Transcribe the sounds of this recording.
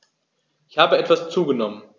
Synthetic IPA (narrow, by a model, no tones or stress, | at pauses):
ʔɪçhaːbəɛtv̥ast͡suːɡənɔmən